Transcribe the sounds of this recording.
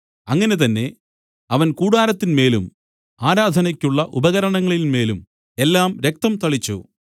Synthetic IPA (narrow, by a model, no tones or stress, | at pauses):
ɐŋːɐne̞t̪ɐnːe̞ | ɐʋɐnkuːɽaːɾɐt̪ːinme̞ːlum | aːɾaːd̪ʱɐnɐkʲːuɭːɐʔubɐɣɐɾɐɳɐŋːɐɭilme̞ːlum | e̞lːaːmɾe̞k̚t̪ɐmt̪ɐɭit͡ɕːṵ